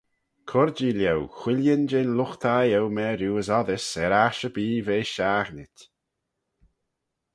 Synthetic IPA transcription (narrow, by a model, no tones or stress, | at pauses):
kʰʊɾd͡ʒiljɛwxwɪljənd͡ʒɛnlʊxt̪ʰajɛwmɛːɾjuːəsɔðɪsɛɾaʃəbiːveːʃaːɣnɪtʲ